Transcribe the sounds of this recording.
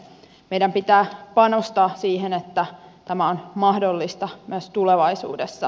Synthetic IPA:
meijdæmpit̪æːpɑnost̪ɑːsiːhenet̪ːæt̪æmæonmɑhdolːist̪ɑmyøst̪uleʋɑisṵːdesːɑ

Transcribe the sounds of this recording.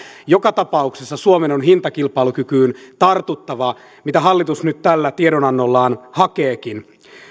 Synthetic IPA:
jo̞kɑt̪ɑpɑuksesːɑsuomenonɦint̪ɑkilpɑlukykyːnt̪ɑrt̪ut̪ːɑʋɑ | mit̪æɦɑlːit̪usnyt̪t̪ælːæt̪ieɾonɑnːolːɑːnhɑkeːkin

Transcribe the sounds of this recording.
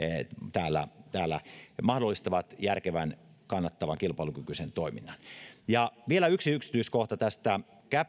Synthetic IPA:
t̪æːlːæ̰t̪æːlːˑæ̰mɑhdolːˑist̪ɑʋɑt̪jærkeʋænkɑnːɑt̪ːɑʋɑŋkilpɑilukykysent̪oiminːɑnjɑʋielæyksiyksi̥t̪yiskoht̪ɑt̪æst̪æ | kæ

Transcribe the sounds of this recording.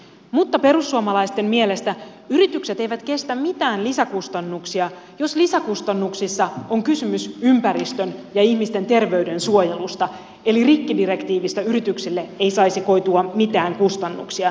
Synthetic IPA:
mut̪ːɑpe̞ɾusːuɑmɑlɑjst̪e̞mmie̞le̞st̪æ | yɾit̪ykse̞t̪e̞jʋæt̪ke̞st̪æmmit̪æːnlisækust̪ɑnːuksiɑ | jo̞slisækust̪ɑnːuksisːɑoŋkysymysympæɾist̪ø̞njɑihmist̪e̞nt̪e̞rʋe̞yde̞nsuoje̞lust̪ɑ | e̞lirikːidiɾe̞kt̪iːʋist̪æyɾit̪yksilːe̞e̞jsɑjsiko̞jt̪uɑmit̪æːŋkust̪ɑnːṵksiɑ

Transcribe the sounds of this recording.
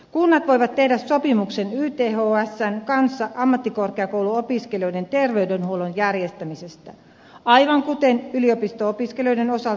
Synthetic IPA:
kunːɑt̪ʋo̞jʋɑt̪tːe̞hdæssopimuksenyːt̪eːhoːæsːæŋkɑnsːɑʔɑmːɑt̪ːiko̞rkeɑkowluopiskelio̞jdent̪erʋeydenhuolonjærjest̪æmisest̪æ | ɑjʋɑŋkut̪enyliopist̪oopiskelio̞jdeno̞sɑ

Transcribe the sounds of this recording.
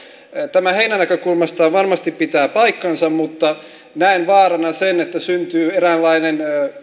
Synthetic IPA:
t̪æmæheinænækøkulmɑst̪ɑːʋɑrmɑst̪ippit̪æːpɑikːɑnsɑmmut̪ːɑ | næinʋɑːɾɑnɑsenet̪ːæsynt̪yːerælːɑinen

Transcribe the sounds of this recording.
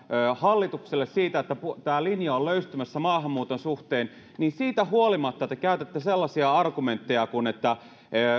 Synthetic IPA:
øhɑlːit̪ukselːessiːt̪æet̪ːæput̪æːlinjɑolløyst̪ymæsːæmɑːhɑmːuːt̪onsuht̪eːn | niːnsiːt̪æhuolimɑt̪ːɑet̪ːækæyt̪et̪ːæselːɑsiɑɑrɡument̪ːejɑkunet̪ːæ | ø

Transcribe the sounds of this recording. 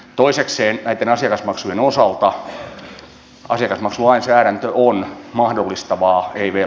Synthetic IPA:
t̪oisekseːnnæit̪ːenɑsiɑkɑsmɑksujenosɑlt̪ɑ | ɑ̰siɑkɑsmɑksulɑinsæːɾænt̪øʔonmɑhdolːist̪ɑʋɑːeiʋe

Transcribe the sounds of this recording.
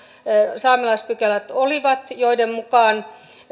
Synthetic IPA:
sɑːmilɑispykælæt̪oliʋɑt̪joidemmukɑːn

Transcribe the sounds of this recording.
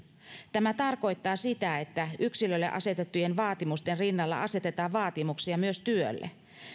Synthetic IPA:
t̪æmæt̪ɑrko̞jt̪ːɑːsit̪æe̞t̪ːæʔyksilølːeʔɑ̰se̞t̪et̪ːuje̞nʋɑːt̪imust̪enrinːɑlːɑ̰ʔɑse̞t̪e̞t̪ɑːʋʋɑːt̪imuksiɑmyø̞st̪yø̰lːḛ

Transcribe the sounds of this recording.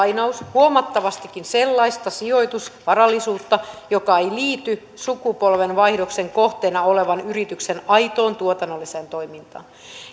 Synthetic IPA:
jnɑushuomɑt̪ːɑʋɑst̪ikːinse̞lːɑist̪ɑsio̞jt̪usʋɑɾɑlːisuːt̪ːɑjo̞kɑejliːt̪y | sukupo̞lʋe̞nʋɑihdo̞kse̞ŋko̞ht̪eːnɑo̞le̞ʋɑnyɾit̪yksenɑjt̪o̞ːnt̪uot̪ɑnːolːiseːnt̪o̞jmint̪ɑ̰ːn

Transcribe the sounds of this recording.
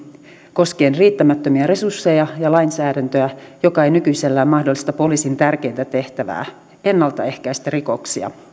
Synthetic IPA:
ko̞ske̞ːnriːt̪ːæmæt̪ːømiæɾe̞sursːe̞jɑjɑlɑinsæːdænt̪øjæjokɑejnykyjselːæːmmɑhdolːist̪ɑpo̞liːsint̪ærk̟e̞jnt̪æt̪e̞ht̪æʋæ̰ː | e̞nːɑlt̪ɑ̰e̞hkæjst̪æriko̞ksiɑ̰

